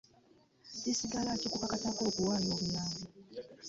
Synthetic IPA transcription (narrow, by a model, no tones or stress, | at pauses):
ɟisiɡalacokuβakatako̞ːkuwaːloːβulaːmu